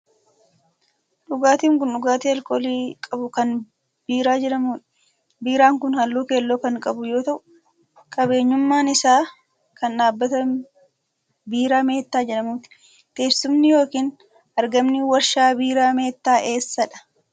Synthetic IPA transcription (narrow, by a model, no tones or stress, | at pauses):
ᶑʊɡaːt̪iːŋkʊnᶑʊɡaːt̪iːɐlkoːliːkʼɐbʊkɐn | biːɾaːd͡ʒɛᶑɐmuːᶑ | biːɾaːŋkʊnhɐlːuːke̞ːlːoːkɐŋkʼɐbʊjo̞ːt̪ɐʔʊ | kʼɐbe̞ːɲːʊmːaːnɪsaː | kɐnᶑaːbːɐt̪ɐ | biːɾaːme̞ːt̪ːaːd͡ʒɛᶑɐmuːt̪ɪ̥ | t̪e̞ːsʊmnɪjo̞ːkiːn | ʔɐɾɡɐmnɪwɐɾʃaːbiːɾaːme̞ːt̪ːaːʔe̞ːsːɐᶑɐ̥